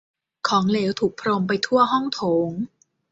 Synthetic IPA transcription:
kʰɔː˩˦ŋleː˩˦wt̪ʰuː˨˩k̚pʰɾoː˧mpa˧jt̪ʰu˥˩ɐɦɔ˥˩ŋt̪ʰoː˩˦ŋ

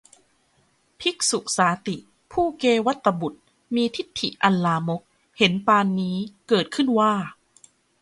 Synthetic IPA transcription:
pʰi˦˥k̚su˨˩k̚saː˩˦t̪i˨˩ | pʰuː˥˩keː˧wa˦˥t̪ːa˧bu˨˩t̪̚ | miː˧t̪ʰi˦˥t̪ʰːḭ˨˩ʔa˧nlaː˧mo˦˥k̚ | he˩˦npaː˧nːiː˦˥kɤː˨˩t̪̚kʰɯ˥˩nwaː˥˩

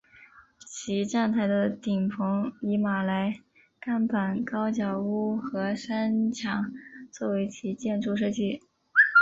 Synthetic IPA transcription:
t͡ɕʰi˧˥ʈ͡ʂa˥˩nt̪ʰa˧˥ɪd̪ə˧t̪i˨˩ŋpʰɤ˧˥ŋi˧˥ma˨˩la˧˥ɪ | ka˥˩npa˨˩nkɑ˥ʊt͡ɕjɑ˨˩ʊu˥˩xɤ˧˥ʂa˥nt͡ɕʰjɑ˨˥˦ŋt͡swɔ˥˩we˧˥ɪt͡ɕʰi˧˥t͡ɕjɛ˥˧nʈ͡ʂʰu˥˧ʂ̬ɤ˥˧t͡ɕi˥˩

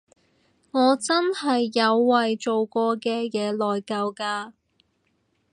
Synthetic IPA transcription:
ŋɔː˨˧t͡sɐ˥nhɐ˨jːɐ˨˧wːɐ˨jt͡so˨wkʷɔː˧kɛː˧jɛː˨˧lɔː˨jkɐ˧wkaː˧

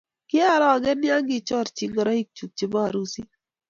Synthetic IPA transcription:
kɪ˦a˦˨ɾɔ˦a˨ɡɛ˦nja˦ŋɡɪ˦t͡ʃɔ˦˨ɾt͡ʃi˨ŋɡɔ˨ɾɔ˦i˦k̚t͡ʃu˨k̚t͡ʃɪ˦ba˦a˨ɾu˦si˦

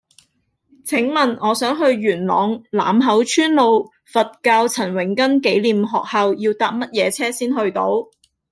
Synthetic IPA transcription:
t͡sʰɪ˨˥ŋmɐ˨nŋɔː˨˧sœː˨˥ŋɦɵ˧ɥɥyː˨˩nlɔ̰ː˨˥ŋla̰ː˨mɦɐ˨˥wt͡ʃʰyː˥nlo˨˧w | fɐ˨t̚kaː˧wt͡sʰɐ˨˩nwɪ˨˩ŋkɐ˥nke˨˥jliː˨mɦɔː˨k̚hɐ˧wjiː˧wt̪aː˨p̚mɐ˥t̚jɛː˨˧t͡sʰɛː˥siː˥nɦɵ˧ɥt̪o˧˥w

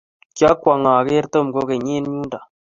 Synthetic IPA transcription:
kja˦kwa˨ŋa˨ke˦ɾto˦˨mɡo˦ke˨ɲe˦n˦ɲu˦nda˨

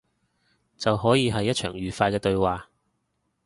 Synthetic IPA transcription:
t͡sɐ˨wɦɔː˨˥jiː˨˧ɦɐ˨jːɐ˥t̚t͡ʃʰœː˨˩ŋjyː˨faː˧jkɛː˧t̪ɵ˧ɥwaː˨

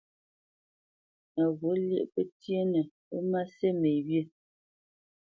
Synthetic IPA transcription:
a˨ɣo˨˦ljə̰˦ʔpə˦tjə˦nə˨ | ə˦ma˦se˦me˨bjə˦˨

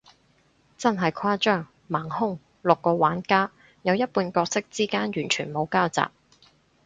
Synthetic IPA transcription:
t͡sɐ˥nɦɐ˨jkʰaː˥t͡ʃœː˥ŋ | maː˨˩ŋhʊ˥ŋ | lʊ˨kːɔː˧waː˨˥nkaː˥ | jɐ˨˧wjɐ˥t̚puː˧nkɔː˧k̚sɪ˥k̚t͡siː˥kaː˥njyː˨˩nt͡ʃʰyː˨˩nmo˨˧wkaː˥wt͡sa̰ː˨˩p̚

